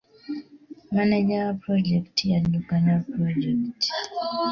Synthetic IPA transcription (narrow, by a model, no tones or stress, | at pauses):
manɛd͡ʒapɾɔd͡ʒɛktʰijanlukanapɾɔd͡ʒɛkt